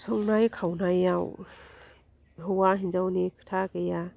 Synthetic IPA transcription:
sɔŋnajkʰawnajaw | ɦɯwaɦind͡ʒawnikʰɯ̥tʰakeja

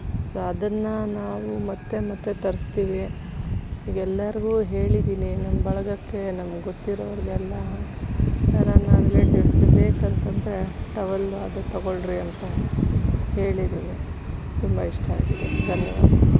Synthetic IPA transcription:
soɐd̪ɐnːɐnaːʋumɐt̪ːe̞mɐt̪ːet̪ɐɾist̪iːʋi | iːɡɛlːɐɾiɡuːɦe̞ːɭid̪iːninɐnbɐɭɐɡɐkːe̞nɐmɐɡɡot̪ːiɾoʋɐɾiɡɛlːɐ | jaɾɐnaːɾeleːʈiʋsɡebeːkɐnt̪ɐnd̪ɐɾe̞ʈɐʋɐlɐd̪ut̪ɐɡoɭɾiɐnt̪ɐ | he̞ːɭid̪iʋe | t̪umbɐiʂʈɐa̰ːɡid̪ed̪ʱɐnjɐʋa̰ːd̪ɐ

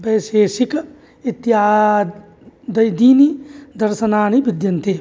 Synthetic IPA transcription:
bɐːseːʃɪk | ɪt̪ːjaː | d̪ɐjd̪iːnid̪ɐɾʃɐnaːñibɪd̪jɐnt̪ʰe

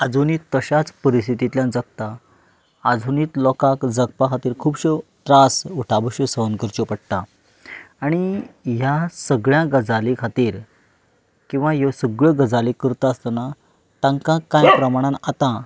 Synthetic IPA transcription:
ad͡zʱuniːt̪ːəɕat͡spəɾist̪ʰit̪it̪ljãnd͡zək̚t̪aː | d͡zʱuniːt̪lɔkakd͡zəɡ̚pakʰat̪iːɾkʰuːbɕəʈɾasuʈʰabəɕəsəənkəɾt͡ɕopəɽ̚ʈ̪a | aɽ̃ijasəɡɭjãɡəd͡zalikʰat̪iːɾ | kĩw̃ʋajesəɡɭəɡəd͡zalikəɾt̪aəst̪ana | t̪ãŋkãkãjpɾəmaɽ̃ãnat̪ã

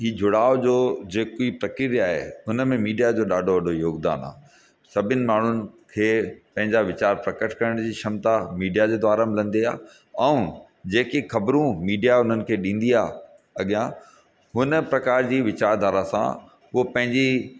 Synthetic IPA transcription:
ɦiːd͡ʑʱʊɽaːod͡ʑoːd͡ʑeːkoipɾɐkiɾaːɦḛʊnəmẽmiːɖijad͡ʑoːɗaːɖʱoʋɐɖʱojoːɡd̪a̰ːna̰ː | sɐbʱɪnɪ̆maːɳ̤ʊnɪ̆kʰeːpɐ̃ɦɪ̃ɲd͡ʑaʋɪt͡ɕaːɾpɾɐkəʈʰkɐɾəɽ̃d͡ʑiːʃɐmt̪amiːɖijad͡ʑeːd̪ʋaːɾamɪlə̃nd̪ia̰ː | ɛ̃ũ | d͡ʑeːkixɐbɾũmiːɖijaʊn̤ənɪ̆kʰeːɗĩːn̆d̪iaː | ɐɠijã | ɦʊnə̆pɾɐkaːɾd͡ʑiːʋɪt͡ɕaːɾd̪ʱaːɾasã̰ | ʊopɐ̃ɦɪ̃ɲd͡ʑi

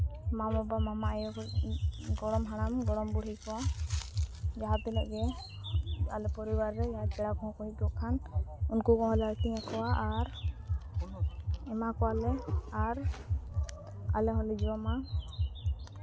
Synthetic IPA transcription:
mamɔbamamaʔj | ɡɔɽɔmɦaɽ̃amɡɔɽɔmbuɽ̤ikɔwa | d͡ʒaɦat̪ːɛlɛʔɡɛ | alɛpɔɾibaɾːɛd͡ʒaɦat̪̚kɛɽakɔɦɔ̃kɔɦikɔkʰanunkukɔ̃ɦɔlɛaɾt̪iɲakɔwaʔaɾ | ɛmakɔwalɛaɾ | a̰lɛɦɔ̃lid͡ʒɾɔma

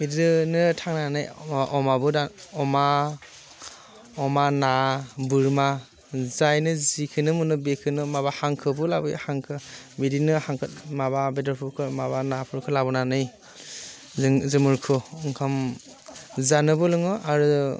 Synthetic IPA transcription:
bedɯnɯtʰaŋnanɯjʔɔmabɯdaɔma | ɔmanabɯɾma | zajnɯzikʰɯnɯmunɯbekʰɯnɯmaβahaŋkʰɯbɯlabɯjhaŋkʰɯbidinɯhaŋkʰɯtmababedɔɾpʰukʰɯmabanapʰuɾkʰɯlabɔnanɯj | zzɯmɯɾkʰɯɔŋkʰam | zanɯbɯlɯŋɯʔaɾu

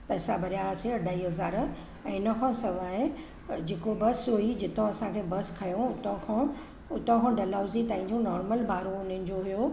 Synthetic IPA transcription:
pɛːsabʱɐɾijaseɐɖʱaːɦiɦɐzaːɾ | ɛ̃ːɪnɐkʰãːsɐʋaːɦe | d͡ʑeːkobɐsoid͡ʑɪt̪õɐsãkʰeːbɐskʰɐjõʊt̪õkʰã | ʊt̪õkʰãɖɐlaːʊzit̪aːĩɲd͡ʑũnɔːɾməlbʱaːɾõʊnənɪ̆d͡ʑoɦijo

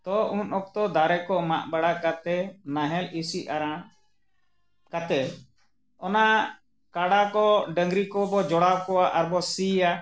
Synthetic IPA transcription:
t̪ɔʔunɔk̚t̪ɔd̪aɾɛkɔmaʔbaɽakat̪ɛnaɦɛlisiaɾa | kat̪ɛ | ɔna | kaɽakɔɖəŋɡɾikɔbɔd͡ʒɔɽawkɔaʔaɾbɔsia

